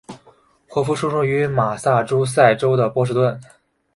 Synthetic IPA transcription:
xwɔ˥˩fu˥ʂu˥˧ʂu˥˩y˧˥ma˨˩sa˥˩ʈ͡ʂo˥ʊs̬a˥˩ɪʈ͡ʂo˥ʊd̪ə˨pwɔ˥ʂ̬ɻ̩˥˧t̪wə˥˩n

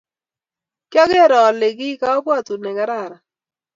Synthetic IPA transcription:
kjɔ˦ɡɛ˦˨ɾɔː˨lɪ˨ɡɪ˦ka˨ɔ˦pwa˦˨tu˨nɛ˨ɡa˦ɾa˨ɾa˨

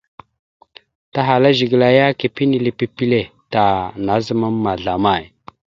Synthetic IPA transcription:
ta˦ɦa˨la˦ʒi˨ɡə˨la˨ja˦ke˨pi˦ni˨le˨pi˨pi˦le˨ta˨na˨˦zə˦ma˦mː˦a˨ɮa˨ma˦˨j

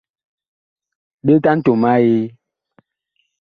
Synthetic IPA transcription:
be˦ta˦n̩˦to˨ma˦je˦

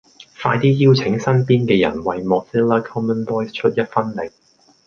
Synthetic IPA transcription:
faː˧jt̪iː˥jiː˥wt͡sʰɪ˨˥ŋsɐ˥npiː˥nkɛː˧jɐ̰˨˩nwɐ˨jmɔː˨k̚siː˥laː˥kʰɔː˥mə˥ndɔː˥jst͡ʃʰɵ˥t̚jɐ˥t̚fɐ˥nlɪ˨k̚

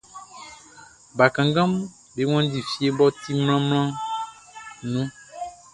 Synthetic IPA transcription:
ba˨kã˨ŋɡã˦m | be˨˦ŋɔ̃˦d̪i˨fi˦e˦bɔ˦t̪i˦ml̃ã˦ml̃ã˦ | nũ˦

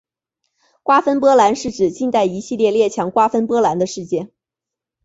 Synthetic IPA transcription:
kwa˥fə˥npwɔ˥la˧˥nʂɻ̩˥˩ʈ͡ʂɻ̩˨˩t͡ɕi˥˧nt̪a˥˩ɪi˧˥ɕi˥˧ljɛ˥˧ljɛ˥˩t͡ɕʰjɑ˧˥ŋkwa˥fə˥npwɔ˥la˧˥nd̪ə˧ʂɻ̩˥˧t͡ɕjɛ˥˩n

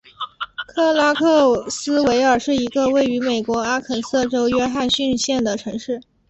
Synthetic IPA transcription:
kʰɤ˥˩la˥kʰɤ˥˩sɹ̩˥we˧˥ɪə˞˨˩ʂɻ̩˥˩i˧˥ɡə˧we˥˩ɪy˧˥me˨˩ɪkwɔ˧˥a˥kʰə˨˩nsɤ˥˩ʈ͡ʂo˥ʊɥɛ˥xa˥˧nɕy˥˧nɕjɛ˥˩nd̪ə˩ʈ͡ʂʰɤ˧˥ŋʂɻ̩˥˩

